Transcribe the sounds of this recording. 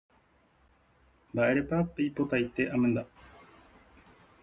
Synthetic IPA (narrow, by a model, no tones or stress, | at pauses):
baeɾepapːipot̪ait̪ːeʔamend̪a